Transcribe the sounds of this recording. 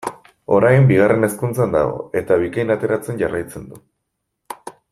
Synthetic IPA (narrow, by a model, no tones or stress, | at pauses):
o̞ɾajmbiɣ̞are̞ne̞skunt͡sand̪a̰ɣo̞̰e̞t̪aβ̞ikajnat̪e̞ɾat͡se̞nɟarajt͡send̪u